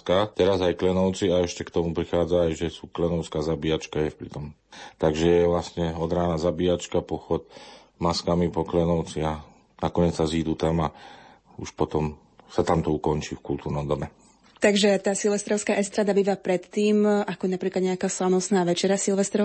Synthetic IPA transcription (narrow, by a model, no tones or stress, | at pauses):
kat̪ɛɾazajklɛnɔʊt͡siaɛʃcɛkt̪ɔmupɾixaːd͡zaːjʒɛsuːklɛnɔʊskazabiat͡ʃkajɛfpɾit̪ɔmt̪aɡʒɛjɛʋlasɲɛɔd̪ɾaːnazabijat͡ʃkapɔxɔt̪ | maskamipɔklɛnɔʊt͡sia | nakɔɲɪɛt͡ssaziːd̪uːt̪ama | uʃpɔt̪ɔm | sat̪amt̪ɔukɔnt͡ʃiːfkult̪uːɾnɔmd̪ɔmɛ | t̪aɡʒɛt̪aːsilʋɛst̪ɾɔʊskaːʔɛst̪ɾaːd̪abiːʋapɾɛt̪ːiːmʔakɔjɛnapɾiːklad̪ɲɛakaːslanɔsnaːʋɛt͡ʃɛɾasilʋɛst̪ɾɔ